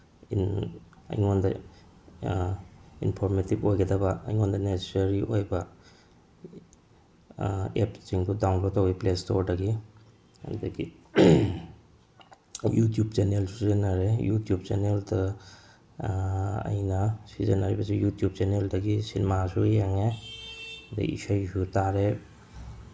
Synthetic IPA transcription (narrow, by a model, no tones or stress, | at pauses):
in | ɐ̰jŋondɐ | ḭnpʰoɾmetibojɡɐdɐbɐɐ̰jŋondɐnesesɐɾiʔojbɐ | epsiŋdudawnlod̚tːawɡiplestoɾdɐɡi | ɐ̰ndɐɡi | jutjub̚t͡ʃenelsuzenaɾejutjub̚t͡ʃeneldɐ | ɐ̰jnɐsizenaɾibɐsujutjub̚t͡ʃeneldɐɡisinemasujaŋe | da̰ḭsajsutaɾe